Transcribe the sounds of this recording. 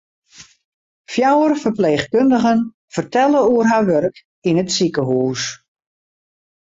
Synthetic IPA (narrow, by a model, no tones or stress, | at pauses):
fjawərfərpleːxkøndəɣən | fərtɛlˠəuərɦaʋørk | inətsikəɦuːs